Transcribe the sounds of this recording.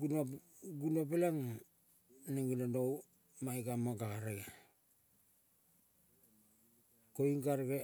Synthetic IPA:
un | ɡunopelaŋ | neŋilandow | majkamoɡaɾeɡa | koiŋɡaɾɡe

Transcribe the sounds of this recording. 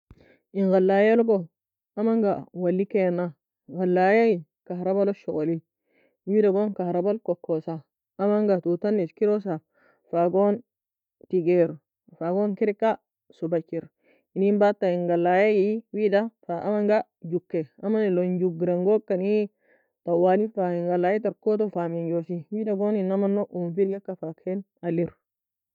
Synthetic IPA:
iŋɡalːajelɡo | amaŋɡawalːikena | ɡalːajaji | kahɾabaloʃɔɡoli | widaɡonkahɾabalkokʰːosaː | maŋɡatutanːiskiɾos̬a | faɡon | tiɡeɾ | faɡonkiɾikːa | sʊbɐt͡ʃːɪɾ | ɪnimbat̪ːɐɪŋɡɐlːaːjejiwiːd̪ɐfamɐŋɡa | d͡ʒʊkːɛɐmɐnɪlɔnd͡ʒuɡɾɐŋɡoːkʼːɐni | t̪ɐwːaːnifaɪŋɡɐlːaːjɛt̪ɐɾkːoːt̪ɔfaːmɛnd͡ʒoːsiwiːd̪ɐɡoːnɪnːɐmɐnːɔʔumfɪɾɡɛkːɐfakʰen | ɐlːɪɾ

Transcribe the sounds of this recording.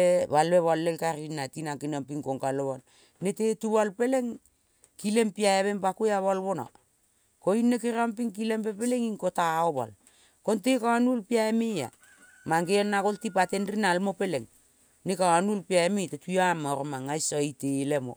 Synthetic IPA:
βalbeβalːelkaɾinːatinakinampiŋkoŋkaleβal | netetuβalpe̞le̞ŋ | kile̞mpiaeβe̞mpakujaβalβona̰ | koinːekiɾampiŋkile̞mpe̞pele̞ŋiŋkotaoβa̰l | kontekawanulpiaemea̰ | maŋɡeonːakoltipate̞nrinalmope̞leŋ | nekawanulpiaemetetujamːaɾomaŋajsoitelemo̰

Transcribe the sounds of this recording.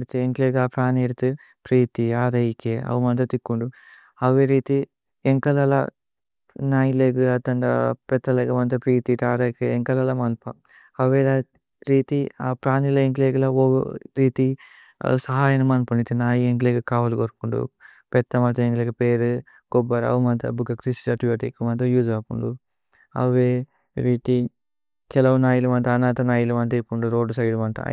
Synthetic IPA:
ɽt̪eeŋkleːɡaːpɾaːneɽt̪u | pɾiːt̪iaːɾɐjikːeɐ̰ʋumɐnt̪ɐt̪ikːuɳɖu | ɐʋeːɾiːt̪i | eŋkɐlɐlɐ̰ | naːjileːɡɨɐt̪ːɐɳɖɐ̰pɛt̪ːɐleːɡɐmɐnt̪ɐpɾiːt̪iʈaːɾɐkeeŋkɐlɐlɐmɐlpɐ | ɐʋeːlɐ | ɾiːt̪ia̰ːpɾaːnilɐeŋkleːɡɐlɐo̰ɾiːt̪ḭ | sɐɦaːjɐnumaːnpɐɳit̪inaːjieŋkleɡɐkaːʋɐluɡoɾkuɳɖṵ | pɛt̪ːɐmɐt̪ɐeŋɡlɐɡɐpeːɾu | ɡobːɐɾɐ̰ʋumɐnt̪ɐ̰bukɐkɾisʈɐʈibɐʈikːumɐnt̪ɐjuːd͡ʒaːkuɳɖu | ɐ̰ʋeː | ɾiːt̪i | kɛlɐʋɐnaːjilumɐnt̪ɐːnaːt̪ɐnaːjilɐmɐnt̪ɐiɾkuɳɖuɾoːɖusɐjlumɐnt̪ɐ̰

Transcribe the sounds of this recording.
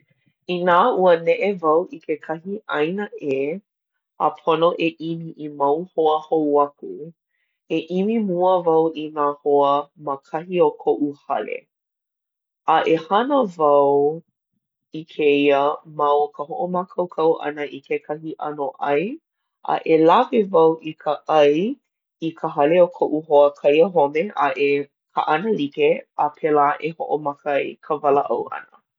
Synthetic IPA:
inaːuənɛʔevɐwʔikʰekʰɐhiʔɐjnəʔe | əpʰonoʔeʔimiʔimɐwhoəhowɐkṵ | eʔimimuəvɐwinaːhoəməkʰɐhiokʰoʔuhɐlḛ | ɐʔehɐnəvɐw | ikʰeiəmɐwkəɦoʔomakʰɐwkʰɐwʔɐ̰nəʔikʰekʰɐhiʔɐ̰noʔɐj | ʔa̰ʔelavevɐwikʰəʔɐj | ikʰəɦɐleokʰoʔuɦoəkʰɐjəɦomeʔaʔe | kʰə̰ʔɐnəlikeapʰɛlaʔeho̰ʔomɐkəjkʰəvɐləʔɐ̰wɐ̰nə

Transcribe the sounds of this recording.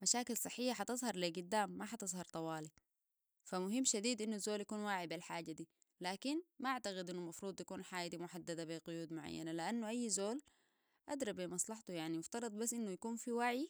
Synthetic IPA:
maʃaːkilsˤɨħːijːaħɑt̪ɨzˤhɑɾˤliɡud̪ːaːmːaħɑt̪ɨzˤhɑɾˤt̪ˤɑwaːli | famʊɦimːʃad̪iːd̪ʔinːuazːoːljakuːnwaːʕibilħaːɟːad̪iː | laːkinmaʔaʕt̪aɣid̪ʔinːulmɑfɾuːd̪ˤt̪akuːnħaːjad̪imʊħad̪ːad̪abiɡʊjuːd̪mʊʕa̰jːa̰naliʔanːuʔajːzoːl | ʔa̰d̪ɾˤɑbimɑsˤlɑħt̪ujaʕnimʊft̪ɑɾˤɑd̪ˤbasːʔinːujakuːnfiwaʕi

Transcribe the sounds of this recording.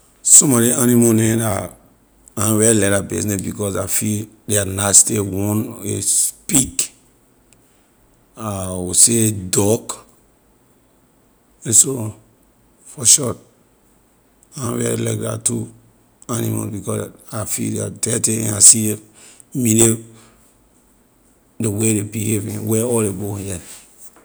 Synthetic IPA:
sɔ̃mɔɾianimonɛ̃da | ãvɛɹilɛɾabisnɛsbikɔsafildɛanastewɔ̃nḛspik | awusedɔk | ɛ̃nso | fɔʃɔt | anãvɛ̰ɹḭla̰ɪk̚da̰tu | anima̰bikɔsafḭdaadɛteɛ̃nasi | mine | dewedebihevĩwɛɔldebohɛ

